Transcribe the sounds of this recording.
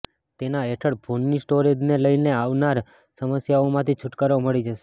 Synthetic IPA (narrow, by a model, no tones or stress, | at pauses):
t̪enaeʈʰəɽbʱonːisʈoɾed͡ʒneləjneaʋnaɾ | səməsjaomãt̪ʰit͡ʃʰʊʈkaɾoməɭid͡ʒəʃe